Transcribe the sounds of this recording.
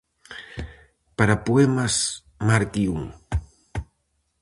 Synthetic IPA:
paɾapoemas | maɾt̪iuŋ

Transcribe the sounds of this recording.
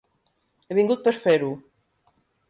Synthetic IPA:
eβiŋɡut̪̚peɾfeɾu

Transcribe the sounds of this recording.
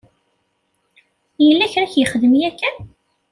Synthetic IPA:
jəlːæçɾæçjəχəðəmjækːæ

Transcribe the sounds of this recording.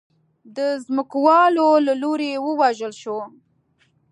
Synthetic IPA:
d̪əzmʊkwɑlolaloɾewəwaʒəlʃo

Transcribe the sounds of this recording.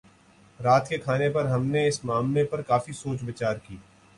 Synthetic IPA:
ɾaːt̪kekʰaːnepɐɾɦɐmneɪsmaːmlepɐɾkaːfisoːt͡ʃbɐt͡ʃaːɾkiː

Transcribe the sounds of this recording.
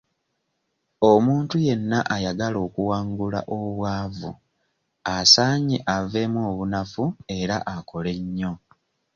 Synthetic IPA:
omuːntuje̞nːaʔajaɡalo̞ːkuwaːŋɡula̰ʔoβwaːvṵ | asaːɲeʔave̞mwo̞ːβunafue̞ɾaʔako̞le̞ɲːo̞

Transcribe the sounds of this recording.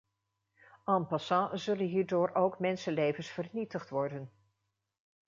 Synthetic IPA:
ʔɑmpɑsɑ̃zɵlənɦiːɹdʊːɹowkmɛnsəlejvənsfərnitəχtʋɔɹdən

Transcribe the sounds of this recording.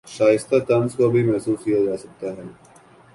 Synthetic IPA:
ʃaːjɪst̪at̪ɐnzkabʱimɛɦsuːskijad͡ʒaːsɐk̚t̪aɦɛː

